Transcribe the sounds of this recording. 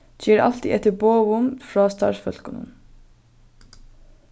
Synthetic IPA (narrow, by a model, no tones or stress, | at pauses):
çiːɾʔɑ̰lt̪ḭʔɛt̪əboːʋʊmfɹɑːst̪ʰɑ̰ːɹfœlkʊnə̰n